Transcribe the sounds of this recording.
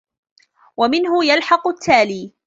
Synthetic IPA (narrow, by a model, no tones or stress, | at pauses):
wamɪnɦʊjalħɑqʊt̪ʰːaːliː